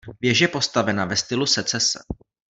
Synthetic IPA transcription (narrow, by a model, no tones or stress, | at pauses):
vjɛʒjɛpo̞st̪avɛnavɛst̪ɪlusɛt͡sɛsɛ̰